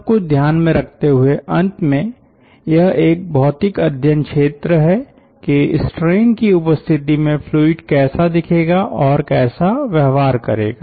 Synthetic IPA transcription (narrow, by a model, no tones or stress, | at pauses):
b̚kʊd̪ʱjaːnmẽɾɐk̚ʰt̪eɦʊeʔɐ̃nt̪mẽ | jɐɦeːk̚bʱɔːt̪ɪkɐd̪ʱjənkʃeːt̪ɾəɦɛ | keɪsʈɾeːnkiʊpəst̪ʰɪt̪imẽpʰluːɪɖkɛːsad̪ɪkʰeːɡaʔɔːɾkɛːsaʋjɐɦʋaːɾkɐ̰ɾḛːɡaː